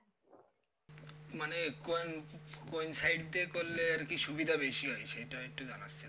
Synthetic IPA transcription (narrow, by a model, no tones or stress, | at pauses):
manekonkonsajɖ̚d̪ekolːeɾkiʃubid̪ʱabeʃiɦɔjʃejʈaek̚ʈːud͡ʑanat͡ɕːɕʰi